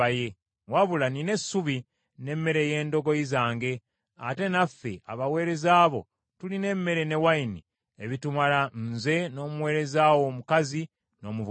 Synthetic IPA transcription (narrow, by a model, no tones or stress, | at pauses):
aje | waβulanine̞sːuβi | ne̞mːe̞ɾe̞je̞ːndo̞ɡo̞izaːŋɡe̞ | a̰te̞nafːe̞̰ʔa̰βawe̞ːɾe̞zaːβo̞̰ | tuline̞mːe̞ɾe̞ne̞waini | eβitumalanze̞no̞ːmuwe̞ːɾe̞zaːwo̞ːmukazi | no̞ːmuβ